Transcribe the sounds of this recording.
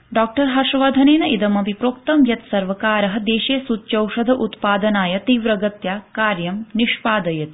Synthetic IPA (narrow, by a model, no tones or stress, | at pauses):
ɖaːk̚ʈɐɾɦaɾʂɐʋaːd̪ʱɐneːnɐʔid̪ɐmɐbʱipɾoːkt̪ɐmjɐt̪sɐɾʋɐkaːɾɐɦɐd̪eːʃeːsut̪ːt͡ʃɐwʂɐd̪ʱɐʔut̪paːd̪ɐnaːjɐt̪iːʋɾɐɡɐt̪jaːkaːɾjɐmniʂpaːd̪ɐjɐt̪